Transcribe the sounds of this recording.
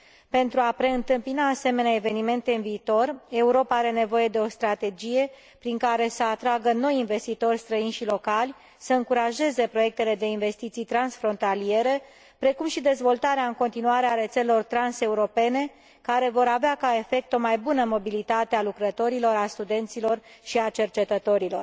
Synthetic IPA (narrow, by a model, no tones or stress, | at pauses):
pe̞nt̪ɾuapɾe̞ɨnt̪ɨmpinaːse̞me̞neaeve̞nime̞nt̪e̞ɨnviːt̪o̞re̞uɾo̞paaɾe̞ne̞vo̞je̞d̪e̞o̞st̪ɾat̪e̞d͡ʒije̞ | pɾiŋkaɾe̞səat̪ɾaɡəno̞jinve̞st̪it̪o̞rʲst̪ɾəinʲʃilo̞kalʲ | səɨŋkuɾaʒe̞ze̞pɾo̞je̞k̚t̪e̞le̞d̪e̞inve̞st̪it̪sijt̪ɾansfɾo̞nt̪alije̞ɾe̞ | pɾe̞kumʃid̪e̞zvo̞lt̪aɾeaɨŋko̞nt̪inuaɾeaɾe̞t̪selelo̞rt̪ɾanse̞uɾo̞pe̞ne̞ | kaɾe̞vo̞ɾaveakae̞fe̞k̚t̪o̞majbunəmo̞bilit̪at̪ealukɾət̪o̞ɾilo̞ɾast̪ud̪e̞nt̪silo̞rʃiat͡ʃe̞rt͡ʃe̞t̪ət̪o̞ɾilo̞̰r